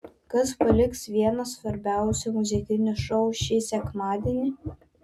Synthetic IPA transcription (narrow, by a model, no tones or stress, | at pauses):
kɐspɐlʲɪksʋʲiɛnɐsʋɐɾʲbʲæʊsʲɪmʊzʲɪkʲɪnʲʊʃowʃʲisʲɛkmaːd̪ʲenʲɪ